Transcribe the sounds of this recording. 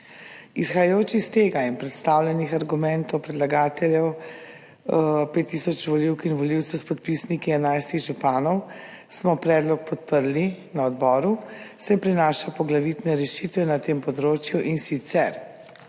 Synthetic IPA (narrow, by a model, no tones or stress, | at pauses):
isxajajoːt͡ʃist̪eːɡainpɾɛt̪st̪awlʲjɛnixaɾɡumɛnt̪ɔwpɾɛd̪laɡaːt̪ɛljɛw | peːt̪ːisɔt͡ʃʋɔliwkinʋɔliwt̪sɛwspɔt̪̚pisnikiɛnajst̪iɣʒupaːnɔw | smɔpɾɛːd̪lɔk̚pɔt̪̚pəɾlinaɔd̪bɔːɾusɛpɾinaːʃapɔɡlaʋit̪nɛɾɛʃit̪ʋɛnat̪eːmpɔd̪ɾoːt͡ʃjuʔinsit̪sɛɾ